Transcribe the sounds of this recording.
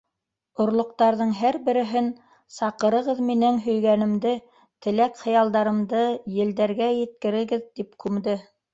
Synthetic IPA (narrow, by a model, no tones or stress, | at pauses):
ŏɾlˠŏq̚t̪ɑɾðɤɴɦæɾbɘ̆ɾɘ̆ɦɘn | sɑqɤ̆ɾɤ̆ʁɤðminɘŋɦɵ̆jɡænɘ̆md̪ɘ | t̪ɘ̆lækχɤ̆jɑlˠd̪ɑɾɤ̆md̪ɤjɘ̆ld̪æɾɡæjɘ̆t̪̚kɘ̆ɾɘ̆ɡɘðt̪ipkʉmd̪ɘ